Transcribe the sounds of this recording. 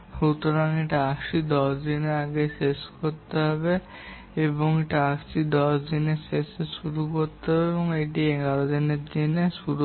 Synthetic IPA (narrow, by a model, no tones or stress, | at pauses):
ʃut̪oɾaŋeʈaakʃid̪ɔʃd̪ineɾaɡeseskoɾt̪eɦɔbe | eboŋeʈaaksid̪ɔʃd̪ineseseʃuɾukoɾt̪eɦɔbeeboŋejʈieɡaɾod̪ineɾd̪ineʃuɾu